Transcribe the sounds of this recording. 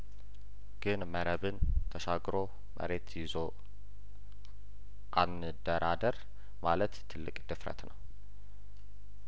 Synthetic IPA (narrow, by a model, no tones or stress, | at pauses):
ɡ̥ɨnməɾəβɨnt̪ʰəʃaɡɾo̞ | mʔə̰ɾe̞t̪jɪzo | ʔanɨd̪əɾad̪əɾ | malət̪ʰːɨlːɨkʼd̪̥ɨfɾə̰t̪nəw